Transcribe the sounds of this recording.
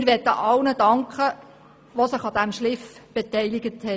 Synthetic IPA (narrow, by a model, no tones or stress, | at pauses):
ɪɾʋɛt̪ːəʔɑlnəd̥ɑŋkχə | ʋosəχɑd̪æmʃlɪfb̥ɛt̪ɛjliɡəthɛ